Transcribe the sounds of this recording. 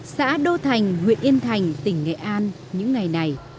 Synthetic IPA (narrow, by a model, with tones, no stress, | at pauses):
sa̰ː˧˥ɗo˧t̪ʰa˨˩jŋ̟ŋwḭ˧˨ənʔi˧ənt̪ʰa˨˩jŋ̟t̪ï˧˩ŋ̟ːḛ˧˨ʔaː˧n | ɲɨ̰˧˥ŋːa˨˩jna˨˩j